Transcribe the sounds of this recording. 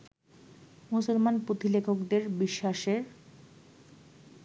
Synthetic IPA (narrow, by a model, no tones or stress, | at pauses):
musolmanpɾot̪ilekʰokd̪eɾbiʃːaʃeɾ